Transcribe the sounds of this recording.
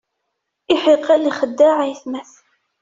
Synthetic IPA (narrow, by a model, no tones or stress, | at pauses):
ɪħiqaliχəd̪ːaʕajθmæθ